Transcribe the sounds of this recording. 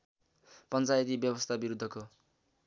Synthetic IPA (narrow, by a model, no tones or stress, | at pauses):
pʌnt͡sajʌt̪ibjʌbʌst̪ʰabiɾud̪ʱːʌko